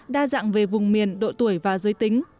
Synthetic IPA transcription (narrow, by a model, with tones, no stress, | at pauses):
ɗaː˧za̰ː˧˨ŋve˨˩vʊ˨˩ŋ͡mmi˨˩ənɗo̰˧˨t̪u˧˩əjvaː˨˩zə˨˦jt̪ï˨˦ŋ̟